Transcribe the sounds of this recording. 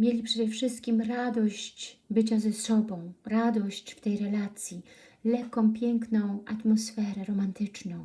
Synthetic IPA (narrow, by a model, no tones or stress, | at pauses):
mjelʲipʂɛd̪ɛfʂɘst̪̚kʲimɾad̪ɔɕt͡ɕbɘt͡ɕazɛsɔbɔ̃w̃ɾad̪ɔɕt͡ɕft̪ɛjɾɛlat̪sʲji | lɛkːɔ̃w̃pʲjɛŋknɔ̃w̃ʔat̪mɔsfɛɾɛɾɔmant̪ɘt͡ʂnɔ̃w̃